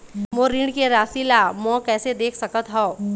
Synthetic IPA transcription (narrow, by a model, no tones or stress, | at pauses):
moɾɪ̃ɳɖkeɾaːsilamɔ̃ːkɛːsed̪eːkʰsɐkət̪ɦɔ̃